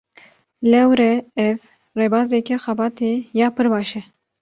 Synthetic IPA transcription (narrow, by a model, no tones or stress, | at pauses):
lɛwɾɛɛv | rebɑːzd̪ɛkɛxɛbɑːt̪ejɑːpɨɾbɑːʃɛ